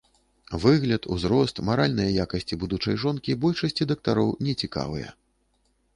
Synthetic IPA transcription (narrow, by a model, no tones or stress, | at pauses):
vɨɣlʲɐt̪ṵzɾɔst̪maɾalʲnɐjɐjakɐsʲt͡sʲibud̪ut͡ʂɐjʐɔnkʲibɔlʲʂɐsʲt͡sʲid̪ɐk̚t̪aɾɔwnʲɛt͡sʲika̰vɨ̰jɐ̰